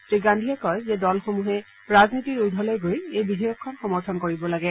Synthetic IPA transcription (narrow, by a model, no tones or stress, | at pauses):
sɹiɡandʱiɛkɔjzɛdɔlxomuɦɛ | ɹaznitiɹudʱɔlojɡojejbidʱejɔkʰːɔnxɔmɔɹtʰɔnkoɹibɔlaɡɛ